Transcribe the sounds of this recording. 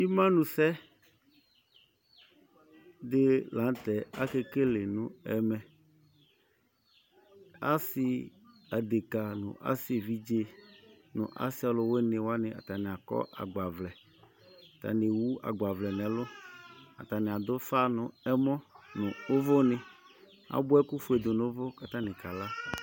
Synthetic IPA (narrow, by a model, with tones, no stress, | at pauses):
i˦mã˦nũ˨sɛ˦ | d̪ɪ˦la˨˦t̪ɛ˨a˦ke˦ke˦lɪ˨nʊ̃˨ɛ˨mɛ˨ | a˦sɪ˦ | a˨d̪e˨ka˨nʊ̰̃˨ʔa̰˦sɪ˨vi˦d͡ʒe˦ | nʊ̰̃˨ʔa̰˦si˦a˨lʊ˨wo˦nɪ̃˨wo˦a˦nɪ̃˨a̰˨t̪a˨nɪ̃˨a˨kɔ̰˦ʔa̰˨ɡ͡ba˨vlɛ˨ | a˨t̪a̰˨ne˨wu˦a̰˨ɡ͡ba˨vlɛ˨nɛ̃˨lʊ˦a̰˨t̪a˨nɪ̃˨a˨d̪ʊ˦fa˦nʊ̃˨ɛ˦mɔ̃˦nʊ̃˨ʊ˦vʊ˦nɪ̃˨ | a̰˦bʊ˦ɛ˦ku˦fu˦e˨d̪ʊ˨nʊ̃˦vʊ˦ka˦t̪a˦nɪ̃˨ka˨la˦˨